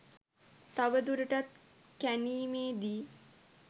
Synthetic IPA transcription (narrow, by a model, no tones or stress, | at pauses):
t̪aʋəd̪uɾəʈat̪̚ | kæniːmeːd̪iː